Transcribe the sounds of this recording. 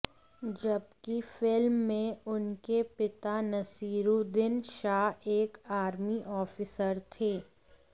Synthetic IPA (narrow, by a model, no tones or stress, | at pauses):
d͡ʒɐb̚kifɪlmːẽʊnkepɪt̪anɐsiːɾud̪ɪnʃaːɦeːkaːɾmiʔɔːfisəɾt̪ʰeː